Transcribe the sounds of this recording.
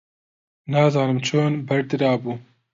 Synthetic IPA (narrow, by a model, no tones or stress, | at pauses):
naːzɑːnɨmt͡ʃʰoːnbɐɾd̪ɨɾɑːbuː